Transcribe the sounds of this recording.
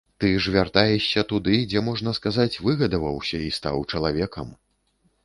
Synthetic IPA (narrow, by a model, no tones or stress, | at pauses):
t̪ɨʐvʲart̪ajɛʂːʲɐt̪ud̪ɨd͡zʲɛmɔʐnɐskazat͡sʲvɨɣɐd̪ɐvɐwsʲɐist̪a̰wt͡ʂɐlˠavʲɛkɐm